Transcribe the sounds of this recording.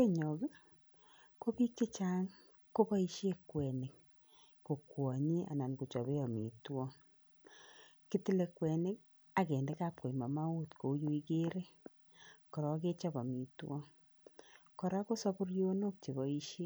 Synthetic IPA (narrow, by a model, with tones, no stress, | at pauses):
ke˦ɲɔ˨ɡ | ko˦pi˦k̚t͡ʃi˦t͡ʃa˦ŋ | ko˦bɔ˦i˦ʃe˦kwɛ˨nɪ˨k̚ː | o˨kwɔ˨ɲi˦ʔa̰˨na˨nku˨t͡ʃɔ˨βe˦ɔ˨mḭ˨twɔ˦ | ki˦ti˦le˦kwɛ˨nɪ˦k | a˨kɛ˨nde˦ka˦˨p̚ko˨i˨ma˨ma˦u˦tko˨˦jo˦i˦ke˦ɾe˦ | kɔ˨ɾɔ˨k̬e˦t͡ʃɔ˦ba˨mi˨twɔ˦ | kɔ˨ɾa˦ko˦sɔ˦pu˦ɾjo˦no˦k̚t͡ʃe˨βɔ˨i˦ʃje˦